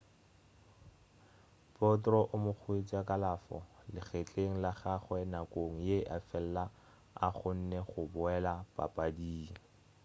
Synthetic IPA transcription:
pɔtrɔʔʊmʊk͡xʰwet͡sʼakʼalafɔ̰lɪχet͡ɬʼeŋ̩laχaχwɛnakʼoŋ̩jeʔafɛl̩la | a̰χʊn̩nɛχʊbʊɛlapʼa̰pʼadiːŋ̩

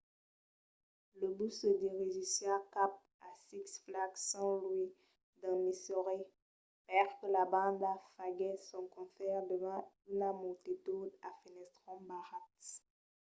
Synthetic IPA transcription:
ləbusəd̪iʁiʒisakap̚ | asiksflaɡsɑ̃lwi | d̪ɑ̃misɔʁe | pɛʁkəlabɑ̃d̪afaɡɛsɔ̃kɔ̃fɛʁd̪əvã | ynamult̪it̪ud̪afinɛst̪χɑ̃baʁat̪

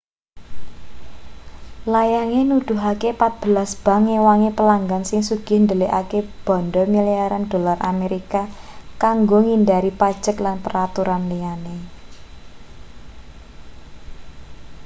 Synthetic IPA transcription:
lajaŋenud̪̥ʊ̤ɦakepat̪̚b̥əlasb̥a̤ŋːewaŋepəlaŋɡansɪŋsuɡ̥ɪ̤hnd̪əleʔakeb̥ɔ̤nɖɔmiliaɾand̥o̤larʔa̰meɾikakaŋɡoŋindaɾipad̥ʒ̥əklanpəɾat̪uɾanliane

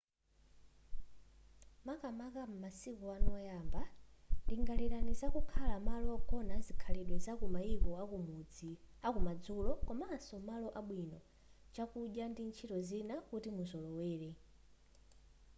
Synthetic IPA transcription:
makamakam̩masikuanɔɔjamba | ndiŋɡaliɾanizakukʰalamalɔkɔnazikʰalɛɗwɛzakumaikɔ | akumad͡zulɔkɔmaːsɔmalɔʔaɓwinɔ | t͡ʃakuʄjandint͡ʃʰitɔzinakutimuzɔlɔwɛːɾɛ

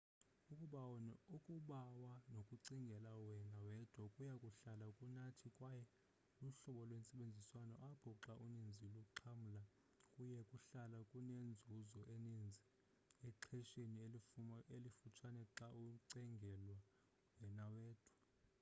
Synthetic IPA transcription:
ukʼuukʼuɓawanokʼuǀiŋɡʱɛlawɛnawɛd̥ʱwɔkʼujakʼuɬalakʼunatʰikʼwajɛ | luɬɔɓɔlwensʼɛɓend͡zʱiswanɔ̰ʔab̥ʱɔǁaʔunind͡zʱiluk̬ʼuǁʰamula | kʼujɛkʼuɬalakʼunend͡zʱuzɔʔenind͡zʱi | ɛǁʰɛʃeni | elifut͡ʃʰanɛǁauǀɛŋɡʱɛlwa | wɛnawɛːd̥ʱḁ

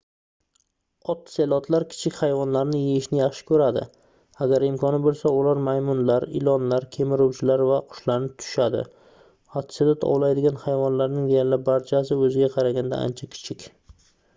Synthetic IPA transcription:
ɒt̪ːselˠɒt̪ʰlaɾkʲʰɪ̥t͡ʃʰɪkʲhajvɒnlaɾnɪjeɪʃnɪjaχʃɪ̥kʰɵɾad̪ɪ̰ | aɡʲaɾɪmkʰɒnɪbolˠsaʊlaɾmajmʊnlaɾɪ̰lɒnlaɾkʲʰe̞mɪɾʊwt͡ʃʰɪlaɾvaqʰʊ̥ʃlaɾnɪt̪ʰʊ̥ʃad̪ɪ̰ | ɒt̪ʰːsed̪at̪ʰɒ̰wlajd̪ɪɡʲanhajvɒnlaɾnɪŋd̪ejaɾlɪbaɾt͡ʃʰasɪɵzɪɡʲaqʰɑɾaɡʲand̪a̰a̰nt͡ʃʰakʲʰɪ̥t͡ʃʰɪkʲ

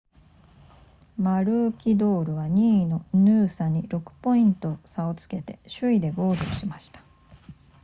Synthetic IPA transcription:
maɾɯ̟ːkʲid̪o̞ːɾɯ̟βaɲ̟iːno̞nɯːsaɲ̟iɾo̞kɯ̟̥po̞ĩnt̪o̞sao̞t͡sɨ̥ke̞t̪e̞̰ɕɨid̪e̞ɡo̞ːd̪oːɕimaɕi̥t̪ḁ

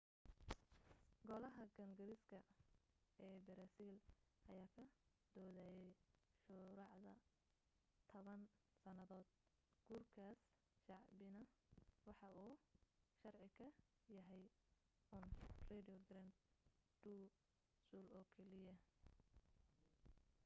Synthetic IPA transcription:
ɡɔlɐɦɐɡɐŋɡɐɾɪskʰɐ | ɛːbɐɾaːsiːlʔɐ̰jaːkʰɐd̪̥ɔːðaːjɛjʃʊɾɑʕðɐ | t̪ʰɔβɐn | sɐnɐðɔːd̪̚ | ɡ̥uːrkʰaːs | ʃɑʕbɪnɐwɑħɑuːʃɑrʕɪkʰɐ | jɐɦɛj | uːnrɛdijɔɡɾand̪ɖuː | suːlɔːkʰɛlɪjɐ

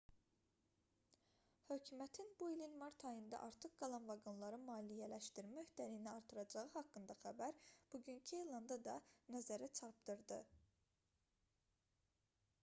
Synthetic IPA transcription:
hø̞cʰymæt̪ʰinbuilinmɑɾt̪ʰɑjɯnd̪ɑ̰ʔɑɾt̪ʰɯχɡɑlˠɑnvɑɡonlˠɑɾɯmɑːlijælæʃt̪iɾmæøçt̪æɾijniɑɾt̪ʰɯɾɑd͡ʒɑʁɯhɑkːɯnd̪ɑχæbæɾb̥uɟyncʰielˠɑnd̪ɑd̪ɑnæzæɾæt͡ʃʰɑɾp̚d̪̥ɯɾd̪ɯ

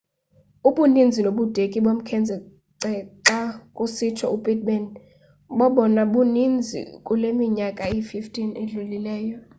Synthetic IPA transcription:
uɓunind͡zʱinoɓud̥ʱekʼiɓom̩kʰɛnd͡zʱɛ | ǀɛǀakʼusitʰɔubʼɛd̚mɛn | ɓɔɓɔnaɓunind͡zʱḭkʼulemiɲakʼaififtʰʼineɮulilɛːjɔ

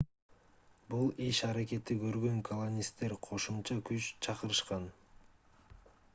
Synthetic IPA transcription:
bulˠiʃɑɾake̞t̪ikøɾɡø̞ŋkʰolˠonʲist̪ːe̞ɾqʰo̞ʃumt͡ʃɑkyt͡ʃt͡ʃʰɑqɯɾɯʃqɑn

